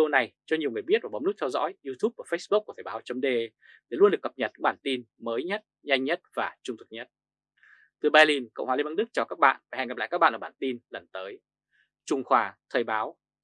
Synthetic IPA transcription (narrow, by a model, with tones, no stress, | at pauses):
o˧na˨˩jt͡ɕɔ˧ɲi˨˩wŋ˨˩jɓi˦˥ət̚vaː˨˩ɓnl̚t̪ʰɛ˧wzɔ̰˧˥jʔi˧t̪ʰu˦˥p̚kuː˧˩fə˦˥sɓk̚kːu˧˩t̪ʰəː˨˩ɓaː˨˦wt͡ɕə˧mɗe˧ | ɗe˨˩lu˧ənɗɨ˨˩əkːə˨˩p̚ɲə˨˩t̚ːɓaː˧˩nt̪i˧nməː˨˦jɲə˦˥t̚ɲa˧jŋ̟ɲə˦˥t̚vaː˨˩t͡ɕʊ˧ŋ͡mt̪ʰɨ˨˩k̚ɲə˦˥t̚ | t̪ɨ˨˩ɓaː˧jli˧nkə̰˧˨wŋ͡mhaː˨i˧ma˧nɗɨ˦˥k̚t͡ɕaː˨˩wkaː˦˥k̚ɓa̰ː˧˨naː˧˨˩ɛ̰˧˨ŋa˨˩pla̰ː˧˨kaː˦˥ɓa̰ː˧˨lːaː˨˩ɓaː˧˨˩nt̪i˧nlə˨˩nt̪əː˨˦j | t͡ɕʊ˧˩ŋ͡mxwaː˨˩t̪ʰəː˧˩jɓaː˨˦w